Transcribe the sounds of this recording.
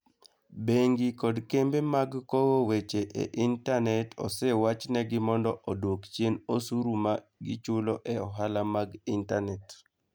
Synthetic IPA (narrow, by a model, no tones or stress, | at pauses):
beŋɡikɔdkembemaɡkowowet͡ʃeʔḛʔintanɛtʰɔ̰sɛwat͡ʃnɛɡɪmɔndɔʔodwokt͡ʃjenosuɾumaɡɪt͡ʃʊloʔɛɔɦalamaɡintanɛt